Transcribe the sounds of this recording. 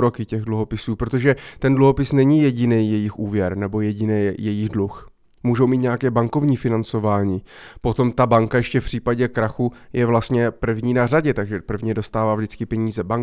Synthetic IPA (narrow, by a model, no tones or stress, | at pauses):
ɾo̞kɪcɛɣdluɦo̞pɪsuːpɾot̪o̞ʒɛt̪ɛndluɦo̞pɪsnɛɲɪjɛɟɪnɛːjɛjɪxʔuːvjɛɾnɛbo̞jɛɟɪnɛːjɛjɪxdlux | muːʒowmiːt̪ɲɛjakɛːbaŋko̞vɲiːfɪnant͡so̞vaːɲiːpo̞t̪o̞mt̪abaŋkajɛʃcɛfpr̝̥iːpaɟɛkɾaxujɛvlast̪ɲɛpr̩vɲiːnaraɟɛt̪aɡʒɛpr̩vɲɛdo̞st̪aːvaːvʒdɪt͡skɪpɛɲiːzɛbaŋk